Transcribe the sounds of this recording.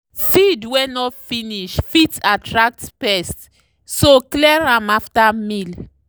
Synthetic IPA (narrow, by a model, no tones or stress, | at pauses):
fidwenɔfĩniʃfitatɹak̚tpɛst | soklɛɹãmaftamil